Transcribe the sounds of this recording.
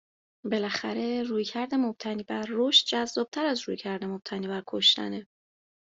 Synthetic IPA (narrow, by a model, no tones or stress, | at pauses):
be̞læxæɾe̞ruːjcʰæɾd̪e̞mo̞b̥̚t̪ʰæniːbæɾːoʃt̪̚d͡ʒæzːɒːb̥̚t̪ʰæɾæzɾṵjcʰæɾd̪e̞mob̥̚t̪ʰæniːbæɾkʰo̞ʃt̪æ̰ne